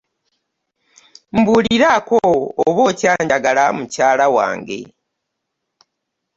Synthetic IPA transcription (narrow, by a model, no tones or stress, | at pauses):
m̩buːliɾakoːβocaːɲɟaɡalamucaːlawa̰ːŋɡe̞̰